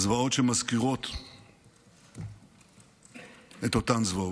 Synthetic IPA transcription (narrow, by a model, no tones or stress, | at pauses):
zvaot͡ʃɛmaskiʁot̪ | ɛt̪ot̪anzva